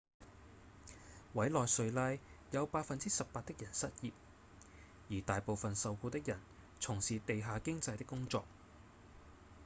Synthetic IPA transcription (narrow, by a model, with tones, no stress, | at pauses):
wɐ˨˥jlɔː˨jsɵ˨ɥlɐ˧jjɐ˨˧wpaː˧t̚fɐ˨nt͡siː˥sɐ˨pːaː˧t̚t̪ɪ˥k̚jɐ˨˩nsɐ˥t̚jiː˨p̚ | jiː˨˩t̪aː˨jpo˨wfɐ˨nsɐ˨˧wkuː˧t̪ɪ˥k̚jɐ˨˩n | t͡sʰʊ˨˩ŋsiː˨t̪e˨jɦaː˨˧kɪ˥ŋt͡sɐ˧jt̪ɪ˥kːʊ˥ŋt͡sɔ̰ː˧k̚